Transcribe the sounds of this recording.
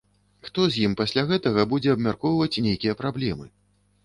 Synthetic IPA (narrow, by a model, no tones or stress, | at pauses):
xt̪ɔzʲjimpasʲlʲaɣɛt̪ɐɣɐbud͡zʲɛɐbmʲarkɔwvɐt͡sʲnʲejkʲijɐpɾablʲɛmɨ